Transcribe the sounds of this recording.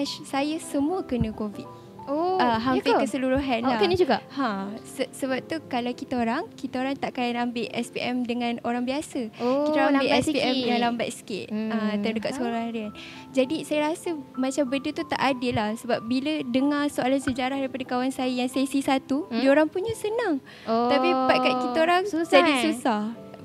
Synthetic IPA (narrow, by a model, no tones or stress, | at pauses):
asajasəmũəkənə̃kovit̪̚ | oaɦampekəsəluɾuɦanlakənəd͡ʒuɡaʔhãsəsəbap̚t̪ukalawkit̪aoɾaŋkit̪aoɾaŋt̪aʔkajanambɪʔɛspiʔɛmdəŋãnoɾaŋbiasəokit̪aambɪʔɛspiɛmdalamba̰t̪̚sə̥kḛt̪̚at̪andəkat̪səluɾahaɾian | d͡ʒadisajəɾasəmat͡ʃambədət̪ut̪a̰ʔadɪlːahsəbap̚bilədəŋarsoalansəd͡ʒaɾahdaɾipadəkawansajəjaŋsajsisat̪udioɾaŋpunɲasənaŋ | apipaʔkaʔ̚kit̪aoɾaŋusd͡ʒadisussah